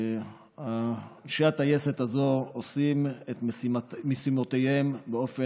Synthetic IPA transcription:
hanʃiat̪ajeset̪azo̞ːsimet̪smesimo̞t̪ejhembeo̞fe

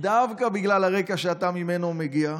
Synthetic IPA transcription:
d̪avkabiɡlalaʁe̞kaʃeat̪amime̞nomeɡia

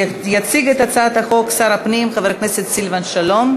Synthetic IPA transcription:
jat͡siɡet̪at͡saat̪haχo̞ksaʁapnimχaveʁkneset̪silvanʃalom

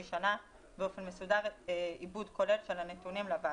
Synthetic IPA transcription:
iʃana | beo̞fe̞nmesudaʁibudko̞le̞lʃelanetunimlava

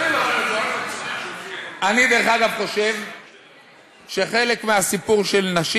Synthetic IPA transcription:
anid̪e̞ʁeχaɡavχo̞ʃe̞v | ʃe̞χe̞lekmeasipuʁʃe̞lnaʃi

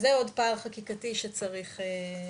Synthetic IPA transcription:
zeo̞dpaːlχakikatiʃet͡saʁiχe

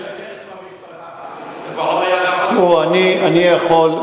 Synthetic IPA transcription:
tuanianijaχol

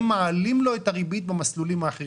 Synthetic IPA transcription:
maalimlo̞et̪aʁibit̪̚bamaslulimaːχeʁ

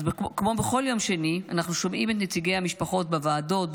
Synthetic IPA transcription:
kkmo̞beχo̞ljo̞mʃenianaχnuʃo̞mʔimet̪net͡siɡe̞jhamiʃpaχo̞t̚bevaːdo̞t̚b

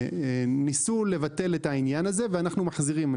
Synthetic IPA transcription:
nisulːe̞vate̞letainjanaze̞veanaχnumaħziʁim

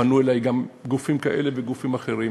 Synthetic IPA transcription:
anuelajɡamɡufimkaʔe̞leveɡufimaχe̞ʁi

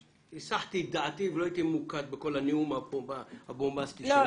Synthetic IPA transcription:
isaħt̪id̪aʕat̪iveloait̪imukat̪̚beko̞laniumabobahabombast̪is

